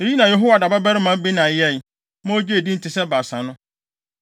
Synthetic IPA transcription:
e˨ji˦nã˨jɛ˨ɦo˦wa˨da˨ba˦bɛ˦ɾɪ˦mã˦bi˦nã˨jɛ˦˨j | mã˦o˦d͡ʑi˦e˨di˦n̩˦tʰɪ˨sɛ˦ba˨sã˨nʊ̃˦

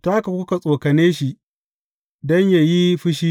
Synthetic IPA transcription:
ta˦ka˨kʷʊ˦ka˨sʼoː˨kɐ˨neː˦ʃi˨ʔ | dɔ˦ɲja˨ji˦ɸɪ˦ʃiː˦

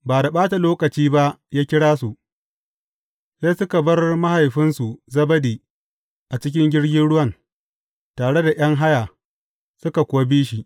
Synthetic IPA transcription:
baː˨da˨ɓaː˦ta˨loː˦kɐ˨t͡ʃiː˦ba˦ʔjaː˦kʲɪ˦ɽaː˦su˨ʔ | seː˦sʊ˦ka˨bɐ˦rma˦ha˨jɸɪ˦nsu˨zɐ˦bɐ˦diː˨ | ʔa˨t͡ʃɪ˦kʲɪ˦ŋɡʲɪ˦ɽɡʲɪ˦nɽʊ˦wɐ˦n | taː˨ɽe˦da˨j̰ɐ˦ŋɦa˦jaː˨ | sʊ˦ka˨kʷʊ˨wa˦biː˦ʃ̬i˨ʔ

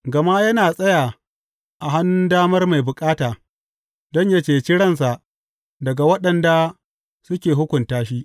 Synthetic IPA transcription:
ɡɐ˨ma˦jɐ˦naː˨sʼɐ˦jaː˨ | ʔa˨ɦa˦nːʊ˦ndaː˦mɐ˦rma˨jbʊ˨kʼaː˦taː˨ | dɔ˦ɲja˦t͡ʃeː˨t͡ʃɪ˦ɽɐ˦ns̬a˨ʔ | dɐ˨ɡa˨wɐ˦ɗɐ˨nda˨ | sʊ˦kʲeː˨ɦʊ˦kʷʊ˨ntaː˦ʃi˦ʔ

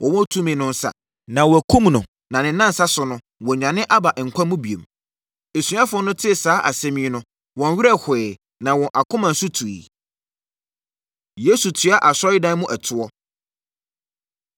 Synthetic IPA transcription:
wʔɔ̃˨wɔ̃˦tʰũ˦mɪ̃˨˦nʊ̃˦n̩˦sa̰˨ | nã˨wɔ˨æ˨kʰũ˦mnʊ̃˨ | nã˨nɪ̃˨nã˦n̩˨sa˦sʊ˨nʊ̃˦ | wɔ̃˨ɲᶣ˨ã˨nɪ̃˦ʔa˦ba˨ʔŋ̩˨kʷʰã˦mũ˦bi˨ḛ˨m | e˨sɥ̃a˦fʊ˦ɔ˦nʊ̃˦tʰɪ˦˨saː˦ʔa˨sɛ̃˦mĩ˦nʊ̃˦ | wɔ̃˨n˦ɥi˦ɾɛ˦hʊ˨ɛ˨ | nã˨wɔ̃˨ʔa˨kʰʊ̃˦mã˨n̩˨sʊ˦tʰu˨ḭ˨ | je˦su˨tʰɥa˦ʔa˨sɔ˦ɪ˦dã˦n˦mʊ̃˦ʔæ˨tʰʊ˨ɔ˦

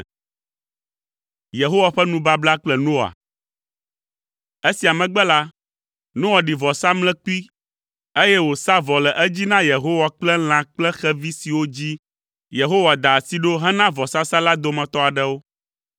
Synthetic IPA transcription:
je˨ɦo˦wa˨ɸɛ˦nũ˦ba˦bla˦k͡plɛ˨nõ˦a̰˨ | e˦si˨a˨mɛ̃˨ɡ͡bɛ˦la˦ | nõ˦wa˨ɖi˨vɔ˨sa˦mlɛ̃˦k͡pu˦i˦ | e˦jɛ˦wo˨sa˦vɔ˨lɛ˨ʔɛ˦d͡ʑi˦nã˦je˨ɦo˦wa˨k͡plɛ˦l̃ã˨k͡plɛ˦xɛ˦vi˦si˨wo˦d͡ʑi˦ | je˨ɦo˦wa˨d̪a˨si˦ɖo˦ɦɛ˦nã˦vɔ˨sa˦sa˦la˦d̪o˦mɛ̃˨t̪ɔ˦a˨ɖɛ˦wo˦

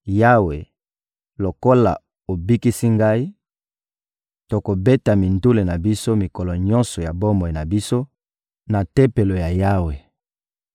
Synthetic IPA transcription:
ja˦we˨ | lo˨ko˦la̰˨ | o˨bi˦ki˦si˦ŋɡa˦i˦ | to˨ko˨be˦ta˨mi˨ndu˦le˨na˨bi˦so˦mi˨kɔ˨lɔ˨ɲɔ˦nsɔ˨ja˨bo˦mo˨i˨na˨bi˦so˦ | na˨te˦pe˨lo˨ja˨ja˦we˨

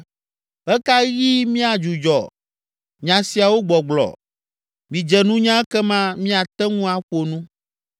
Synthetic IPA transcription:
ɛ˦ka˦ɣi˦mĩ˦a˨d͡ʒu˨d͡ʒɔ˨ | ɲã˨si˨a˨wo˦ɡ͡bɔ˨ɡ͡blɔ̰˨ | mĩ˨d͡ʒɛ˨nũ˦ɲã˦ɛ˦kɛ˦mã˦mĩ˦a˨t̪ɛ˦ŋũ˦a˨ɸo˨nũ˦

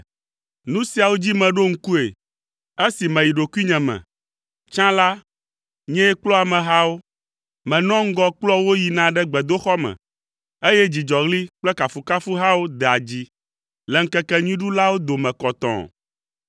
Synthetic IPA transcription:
nũ˦si˨a˨wo˦d͡ʑi˦mɛ̃˨ɖo˦ŋ̩˦ku˦e˨ | e˦si˨mɛ̃˨ji˨ɖo˨ku˦i˦ɲɛ̃˨mɛ̰̃˨ | t͡ʃã˦la˦ | ɲɛ̃˦ɛ˦k͡plɔ˦a˨mɛ̃˨ɦa˦wo˦ | mɛ̃˨nɔ̃˦ŋ̩˦ɡɔ˦k͡plɔ˦wo˦ji˨nã˨˦ɖɛ˦ɡ͡bɛ˨d̪o˦xɔ˦mɛ̰̃˨ | e˦jɛ˦d͡ʑi˨d͡ʒɔ˨ɣli˦k͡plɛ˦ka˨fu˨ka˦fu˦ɦa˦wo˦d̪ɛ˨a˨d͡ʑi˦ | lɛ˨ŋ̩˦kɛ˦kɛ˦ɲũ˦ĩ˦ɖu˦la˦wo˦d̪o˨mɛ̃˨kɔ˨t̪ɔ̰̃˨

